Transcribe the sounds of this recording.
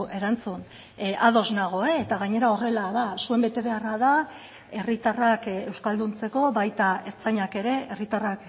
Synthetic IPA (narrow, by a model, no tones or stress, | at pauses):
ʔe̞ɾant͡sun | ʔaðo̞znaɣ̞oeːt̪aɣaɲe̞ɾao̞re̞laðasue̞mbe̞t̪e̞βe̞arað̞a | e̞rit̪arake̞wskald̪unt͡se̞ko̞βajt̪ae̞ɾt͡saɲake̞ɾe̞erit̪arak